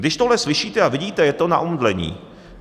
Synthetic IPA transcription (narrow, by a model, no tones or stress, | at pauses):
dɪʃt̪oɦlɛslɪʃiːt̪ɛavɪɟiːt̪ɛjɛt̪o̞na̰ʔomdlɛɲḭː